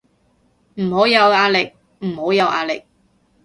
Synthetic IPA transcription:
m̩˨˩ho˨˥wjɐ˨˧waː˧lɪ˨k̚ | m̩˨˩ho˨˥wjɐ˨˧wʔa̰ː˨˧lɪ̰˨k̚

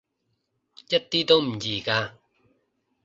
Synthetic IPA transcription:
jɐ˥t̚t̪iː˥t̪o˥wm̩˨˩jiː˨˩kaː˧

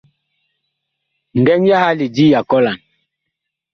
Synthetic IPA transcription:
n˨dɛ˦ŋja˦ha˦li˨d͡ʒi˦ja˨kɔ˦la˨n

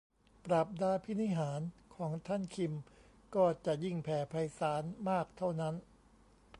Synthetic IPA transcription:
pɾa˨˩p̚daː˧pʰi˦˥˩ni˦˥˨ɦaː˩˦nkʰɔː˩˦ŋt̪ʰa˥˩nkʰi˧m | kɔː˥˩t͡ɕa˨˩ʔji˥˩ŋpʰɛː˩˦pʰa˧jsaː˩˦nmaː˥˩k̚t̪ʰa˥˩wna˦˥n

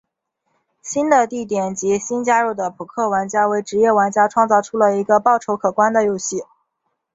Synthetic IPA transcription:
ɕi˥nd̪ə˨t̪i˥˩t̪jɛ˨˩nt͡ɕi˧˥ɕi˥nt͡ɕja˥ɻu˥˩d̪ə˩pʰu˨˩kʰɤ˥˩wa˧˥nt͡ɕja˥we˧˥˩ɪʈ͡ʂɻ̩˧˥jɛ˥˩wa˧˥nt͡ɕja˥ʈ͡ʂʰwɑ˥˧ŋt͡sɑ˥˧ʊʈ͡ʂʰu˥lə˨i˧˥ɡə˧pɑ˥˩ʊʈ͡ʂʰo˧˥ʊkʰɤ˨˩kwa˥nd̪ə˨jo˥ʊɕi˥˩

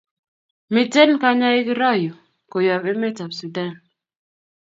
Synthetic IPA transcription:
mi˨te˦nka˦ɲa˦e˦ki˦ɾɔ˦˨jo˨ | ko˨jɔ˨βe˦me˦ta˨bsu˨da˦˨n

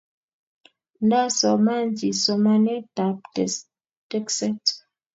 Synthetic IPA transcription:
nda˦sɔ˨ma˦nd͡ʒi˨sɔ˨ma˦nɛ˦ta˨p̚ | tɛ˦ksɛ˦t

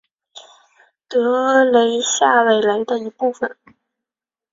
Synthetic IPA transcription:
t̪ɤ˧˥le˧˥ɪɕja˥˩we˨˩ɪla˧˥ɪd̪ə˧i˧˥pu˥˩fə˩n

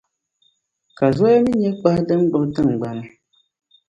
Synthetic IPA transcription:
ka˨zɔ˦a˦mi˦ɲɛ˦k͡pa˦hdɨ˦mɡ͡bɨ˨ʔtɨ˦ŋ˨ɡ͡ba˨nɨ˦

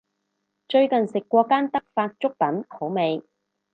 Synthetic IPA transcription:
t͡ʃɵ˧ɥkɐ˨nsɪ˨kːʷɔː˧kaː˥nt̪ɐ˥k̚faː˧t̚t͡ʃʊ˥k̚pɐ˨˥nho˨˥wme˨˧j

